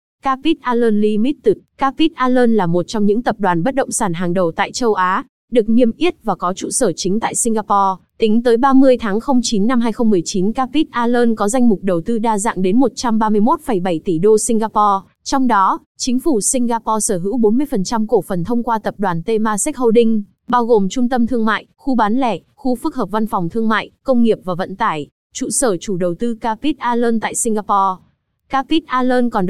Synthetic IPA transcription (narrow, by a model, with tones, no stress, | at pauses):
kaː˧pi˦˥t̚ʔaː˧ləː˧nli˧mi˦˥t̚t̪ɨ˨˩t̚kaː˧pi˦˥t̚ʔaː˧ləː˧nlaː˨˩mo˨˩t̚t͡ɕɔ˧ŋ͡mɲɨ̰˧˥ŋt̪ə˨˩p̚ɗwaː˨˩nɓə˦˥t̚ɗə̰˧˨wŋ͡msaː˧˩nɦaː˨˩ŋɗə˨˩wt̪a̰ː˧˨jt͡ɕə˧wʔaː˨˦ | ɗɨ˨˩ək̚ni˧˩əmʔi˦˥ət̚vaː˨˩kɔ˨˦t͡ɕṵ˧˨səː˧˩t͡ɕï̟˨˦t̪a̰ː˧˨jsï˧ŋɣaː˧pɔ˧t̪ï˨˦ŋ̟t̪əː˨˦jɓaː˧mɨ˧əjt̪ʰaː˨˦ŋxə˧wŋ͡mt͡ɕi˨˦nːa˧mɦaː˧jxə˧ŋ͡mmɨ˨˩əjt͡ɕi˨˦nkaː˧pi˦˥t̚ʔaː˧ləː˧nkɔ˨˦za˧jŋmʊ˨˩k͡p̚ɗə˨˩wt̪ɨ˧ɗaː˧za̰ː˧˨ŋɗe˨˦nmo˨˩t̚t͡ɕa˧mɓaː˧mɨ˧əjmo˦˥t̚fə˧˩jɓa˧˩jt̪i˧˩ɗo˧si˧ŋ̟ɣaː˧pɔ˧ | t͡ɕɔ˧wŋ͡mɗɔ˨˦ | t͡ɕï˨˦ŋ̟fu˧˩sï˧ŋ̟ɣaː˧pɔ˧səː˧˩ɦɨ̰˧˥wɓo˨˦nmɨ˧əjfə˨˩nt͡ɕa˧mko˧˩fə˨˩nt̪ʰə˧wŋ͡mkwaː˧t̪ə˨˩p̚ɗwaː˨˩nt̪e˧maː˧sɛ˦˥k̚ho˧ɗï˧ŋ̟ | ɓaː˧wɣo˨˩mt͡ɕʊ˧ŋ͡mt̪ə˧mt̪ʰɨ˧əŋma̰ː˧˨jxu˧ɓaː˨˦nlɛ˧˩ | xu˧fɨ˦˥k̚hɦəː˨˩p̚va˧nfɔ˨˩wŋ͡mt̪ʰɨ˧əŋma̰ː˧˨jkə˧wŋ͡mŋi˨˩əp̚vaː˨˩və̰˧˨nt̪aː˧˩j | t͡ɕṵ˧˨səː˧˩t͡ɕu˧˩ɗə˨˩wt̪ɨ˧kaː˧pi˦˥t̚ʔaː˧ləː˧nt̪a̰ː˧˨jsï˧ŋɣaː˧pɔ˧ | kaː˧pi˦˥t̚ʔaː˧ləː˧nkɔ˨˩nɗ